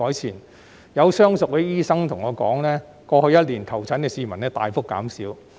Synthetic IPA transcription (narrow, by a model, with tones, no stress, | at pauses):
ɔː˨˥jt͡sʰiː˨˩n | jɐ˨˧wsœː˥ŋsʊ˨k̚we˨˥jiː˥sɐ˥ŋt̪ʰʊ˨˩ŋɔː˨˧kɔː˨˥ŋlɛː˥ | kɔː˧hɵ˧jɐ˥t̚liː˨˩ntkʰɐ˨˩wt͡sʰɐ˨˥nkɛː˧siː˧mɐ˨˩nɛː˥t̪a̰ː˨jfʊ˥kːa̰ː˨˥msiː˨˥w